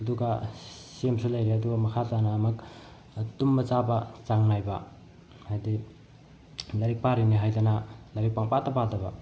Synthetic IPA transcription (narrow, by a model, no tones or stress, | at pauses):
ɐduɡɐsemsulɐjɾiɐduɡɐmɐkʰatanɐːmɐk | tumːɐt͡ʃabɐt͡ʃaŋnajbɐ | hajdi | lɐɾik̚paɾiniɦajdɐnɐlɐɾik̚paŋpatɐpatɐbɐ̰